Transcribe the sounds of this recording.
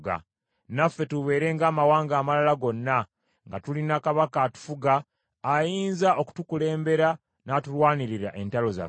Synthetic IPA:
ɡa̰ | nafːe̞tuβe̞ːɾe̞ŋɡaːmawaːŋɡaːmalalaɡo̞nːa | ŋɡatulinakaβakatu̥fuɡaː | jiːnzaʔo̞ku̥tukule̞ːmbe̞ɾa | naːtulwaːniɾiɾaʔe̞ntalo̞za̰

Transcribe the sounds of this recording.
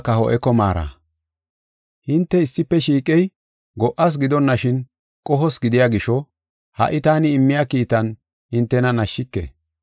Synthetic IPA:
kɐhɔ̰ʔɛkɔma̰ːɾa̰ | hɪnt̪ːɛɪsːɪpːɛʃiːkʼɛj | ɡɔʔɐs̬ɡɪd̪ɔnːɐʃɪn | kʼɔɦɔsɡɪd̪ɪjaɡɪʃɔ | hɐ̰ʔɪt̪aːnɪːmːɪjaːkiːt̪ːɐn | hɪnt̪ːɛnɐnɐʃːɪkːɛ̰

